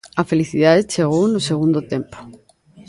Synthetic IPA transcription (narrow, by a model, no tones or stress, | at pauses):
ɐfeliθiðaðet͡ʃeɣownʊseɣũnd̪ot̪empo̥